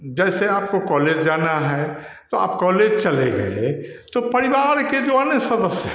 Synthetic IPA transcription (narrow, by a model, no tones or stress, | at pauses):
d͡ʒɛːseaːp̚kokɔːleːd͡ʒd͡ʒaːnaɦɛ | t̪oa̰ːpkɔːleːd͡ʒt͡ʃɐleɡɐ̰ḛt̪opɐɾiʋaːɾked͡ʒoɐneksɐd̪əsj